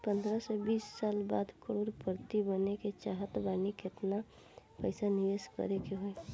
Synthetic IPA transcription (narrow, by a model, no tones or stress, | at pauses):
pənd̪ɾəsebiːsːaːlba̰ːd̪kəɾoːɾpəɾt̪ibəneket͡ʃaɦət̪banikɪt̪na | pəɪsanɪʋeːskə̰ɾekeɦoe